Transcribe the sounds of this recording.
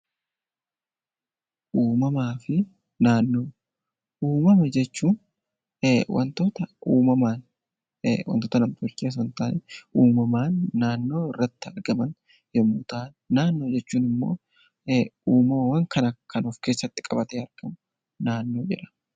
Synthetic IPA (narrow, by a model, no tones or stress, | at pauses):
ʔuːmɐmaːfɪ | naːnːoː | ʔuːmɐmɐd͡ʒɛt͡ʃːuːn | wʔɐ̰nt̪oːt̪ɐʔuːmɐmaːn | wɐ̰nt̪oːt̪ɐnɐmt̪ʊɾkːɪjas̬ɔnt̪aːnɛuːmɐmaːnːaːnːo̞ːɪrːɐt̪ːɪɐɾɡɐmɐn | jɔmuːt̪aːnːaːnːo̞ːd͡ʒɛt͡ʃːuːnɪmːo̞̰ː | uːmɐmɐwɐŋkʰɐnɐkɐnɔfke̞ːsːɐt̪ːɪ̥kʼɐbɐt̪eɐɾɡ̥ɐm | naːnːoːd͡ʒɪʔɐ̥